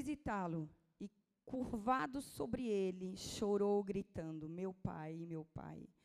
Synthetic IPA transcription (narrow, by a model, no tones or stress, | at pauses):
izit̪alʊ | ɪ | kuɾvad̪ʊsobɾɪelɪʃoɾowɡɾit̪ɐ̃nd̪ʊmewpa̰jmewpa̰j